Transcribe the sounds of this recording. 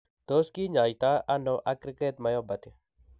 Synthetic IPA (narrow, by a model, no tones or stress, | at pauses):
t̪oːskiːɲaːjt̪aʔɐnoʔɐkɾɪket̪mɐjoːbɐt̪i